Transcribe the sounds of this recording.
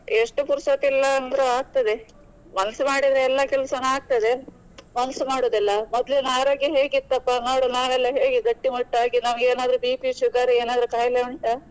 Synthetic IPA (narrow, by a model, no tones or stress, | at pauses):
eʂʈupuɾsɐt̪ilːɐːnd̪ɐɾeaːɡ̚t̪ɐd̪e | mɐnɐsumaːɽid̪ɾeɛlːɐkɛlɐsɐnɐaːɡ̚t̪ɐd̪e | mɐnɐsumaːɽoːd̪ilːɐmɔd̪lenaːɾoːɡjeɦe̞ːɡit̪ːɐpːanoːɽonaːɾɛlːɐɦeːɡeɡɐʈːimuʈːaːɡinɐmɐɡeːnaːd̪ɐɾubipiʃuɡaːɾeːnaːd̪ɐɾukaːjleuɳʈɐ